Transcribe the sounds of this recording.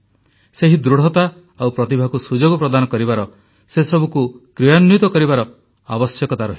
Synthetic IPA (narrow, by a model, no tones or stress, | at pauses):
seɦid̪ɾuɽ̤ɔt̪a | awpɾɔt̪ibʱakusud͡ʒoɡɔpɾɔd̪anɔkɔɾibaɾɔ | sesɔbukukɾijanːut̪ɔkɔɾibaɾɔ | abɔsjɔkɔt̪aɾɔɦi